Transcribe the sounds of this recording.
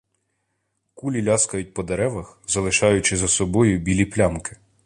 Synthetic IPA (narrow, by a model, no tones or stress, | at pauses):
kulʲilʲɑskɐjʊt̚ʲpɔd̪eɾɛʋɐxzɐlˠɪʃɑjʊt͡ʃɪzɐsɔbɔjʊbʲilʲiplʲɑmkɪ̥